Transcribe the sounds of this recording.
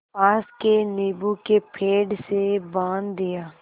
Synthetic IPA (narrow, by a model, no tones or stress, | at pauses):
aːskeniːbukepʰeːɖsebãːnd̪d̪ɪjaː